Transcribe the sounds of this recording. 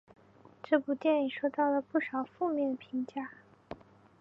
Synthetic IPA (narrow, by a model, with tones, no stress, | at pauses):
ʈ͡ʂɤ˥˩pu˨˩t̪jɛ˥˩ni˨˩ŋʂwo˥˧t̪ɑ˥˩ʊlə˩pu˥˩ʂɑ˨˩ʊfu˥˧mjɛ˥˩npʰi˧˥ŋt͡ɕja˥˩